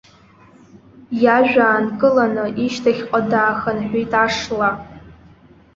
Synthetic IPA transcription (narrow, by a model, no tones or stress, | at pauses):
jaʒᶣaːnkʼɨlanɨʔiʃtʰaχʲqʼadaːxanħʷᶣijtʼaʂla